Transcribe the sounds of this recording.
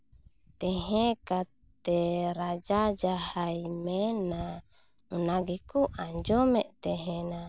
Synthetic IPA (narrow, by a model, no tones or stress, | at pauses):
t̪ɛɦɛ̃kat̪ɛɾad͡ʒad͡ʒahajmɛna | unaɡɛkuʔaɲd͡ʒɔmɛʔt̪ɛɦɛna